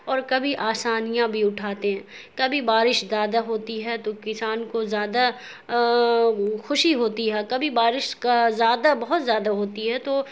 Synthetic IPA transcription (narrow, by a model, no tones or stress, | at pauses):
ɔːɾkɐbʱiʔaːsaːnijãbʱiʊʈʰaːt̪eɦɛ̃ː | kɐbʱibaːɾɪʃzaːd̪aɦoːt̪iɦɛt̪okɪsaːnkozjaːd̪a | xʊʃiɦoːt̪iɦɛːkɐbʱibaːɾɪʃkazjaːd̪abɐɦʊt̪zjaːd̪aɦoːt̪iɦɛt̪oː